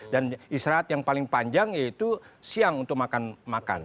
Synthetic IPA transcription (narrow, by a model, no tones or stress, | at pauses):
danisɾaːt̪̚jaŋpalɪŋpaɲd͡ʒaŋjait̪usiaŋunt̪ʊk̚makanmaka̰n